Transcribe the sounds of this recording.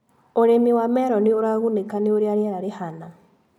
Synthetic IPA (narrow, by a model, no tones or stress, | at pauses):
oɾemiwameɾonioɾaɣunekanioɾjaɾjeɾaɾehana